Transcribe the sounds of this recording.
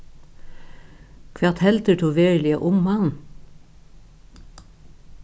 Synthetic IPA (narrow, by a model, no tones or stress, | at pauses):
kʰʋæʁt̪hɛlt̪əʈʰuːʋeːʏlɪə̰ʔʊmmɑn